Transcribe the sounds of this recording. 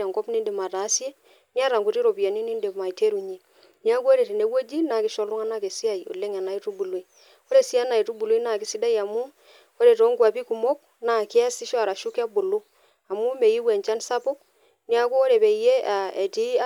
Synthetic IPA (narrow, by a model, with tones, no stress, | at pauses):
a˨ŋɡɔ˦pni˦nde˨ma˨ta˨˦sje˦ | ni˦a˦ɾa˨ŋɡu˨ti˦ɾo˨pi˨a˨ni˦ni˦nde˨ma˨i˨te˦ɾu˨ɲe˨ | ni˦a˦ku˦o˦ɾe˨te˨ne˦wo˦d͡ʒi˦na˨kɪ˦ʃɔ˨lu˦ŋa˦na˦ke˨si˦a˨i˨o̰˨le˦ŋa˨na˨i˦tu˦bu˨lwi˨ | o˦ɾe˨si˦a˦na˨i˨tu˦bu˨lo˦i˦na˨kɪ˦si˦da˦i˨a˨mu˦ | o˦ɾe˨to˨˦ŋɡwa˨pi˦ku˨mo˦k̚ | na˨kɪ˦a˦si˦ʃa˨ɾa˨ʃu˦ka˦bo˨lu˦ | a˨mu˦me˨ji˦wɛ˨ɲt͡ʃa˦nsa˦po˦k̚ | ni˦a˦ku˦o˦ɾe˨pe˨i˨je˦a˨e˨ti˦